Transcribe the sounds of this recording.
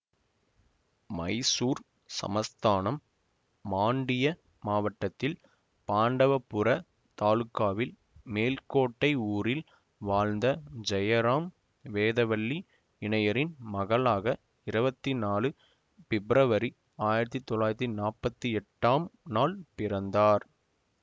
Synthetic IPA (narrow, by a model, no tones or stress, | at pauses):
mɐɪsuːɾ | sɐ̰mɐst̪aːnɐmː | aːɳɖɪjɐ | maːʋɐʈːɐt̪ːɪl | paːɳɖɐʋɐpːʊɾɐ | t̪aːlɯkːaːʋɪl | meːlkoːʈːɐɪuːɾɪl | ʋaːlnd̪ɐd͡ʒɐjɐɾaːm | ʋeːðɐʋɐɭːi | ɪɳɐjɐɾɪnmɐɣɐɭaːɣɐ | ɪɾɯbɐt̪ːinaːlɯ | fɪbɾɐʋɐɾi | aːjɪɾɐt̪ːit̪ːɔɭːaːjɾɐt̪ːinaːɾpɐt̪ːiɛʈːaːmnaːlpɪɾɐnd̪aːɾ